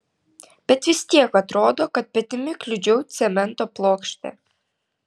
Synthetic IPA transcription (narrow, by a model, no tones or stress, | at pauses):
b̥ʲɛt̪ʋʲɪst̪ʲiɛkɐt̪ɾoːd̪oːkɐt̪̚pʲɛt̪ʲɪmʲɪklʲʊd͡ʒʲɛʊt̪sʲɛmʲɛnt̪oːplˠoːkʃʲt̪ʲɛ̰